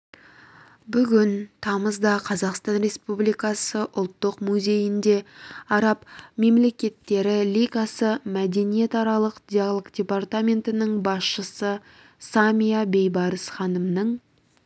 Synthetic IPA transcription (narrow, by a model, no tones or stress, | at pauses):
bʏɡʲɪnt̪ʰɑməzd̪ɑqʰɑzɑqst̪ɑnɾe̞spublijkɑsəʔʊlˠt̪ːəqmuzʲe̞jɪnd̪e̞ɑɾɑpme̞mle̞kʲe̞t̪ːe̞ɾɪlʲikasəmæd̪e̞nije̞t̪ɑɾɑlˠəqd̪̥ʲialˠoɡd̪ʲe̞part̪amʲe̞nt̪ɪnəɴbɑsʃəsə | samʲijabe̞jbɑɾəsχɑnəmnəɴ